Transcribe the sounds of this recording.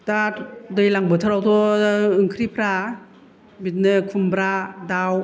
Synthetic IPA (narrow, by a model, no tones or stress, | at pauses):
tadɯjlaŋbɯtʰɯɾawtʰɔɯŋkʰɾipʰɾa | bit̚nɯkʰumbɾadaw